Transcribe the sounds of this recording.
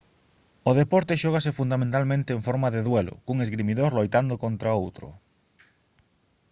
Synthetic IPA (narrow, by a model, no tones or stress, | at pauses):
oðepɔɾt̪eʃɔɣ̞as̬ɪfund̪amẽnt̪almẽnt̪eːɱfɔɾmaðeðwɛlʊ̰kuŋezɣɾimiðoɾlojt̪and̪okont̪ɾaowt̪ɾʊ̰